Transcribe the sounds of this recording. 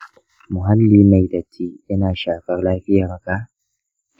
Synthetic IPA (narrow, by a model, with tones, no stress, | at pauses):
mʊ˨ɦa˦lːiː˦mɐ˨jdɐ˨tʰiː˦ʔɐ˦naː˨ʃaː˨kɐ˦ɾlaː˦ɸɪ˦jaː˨ɾa˨ka˦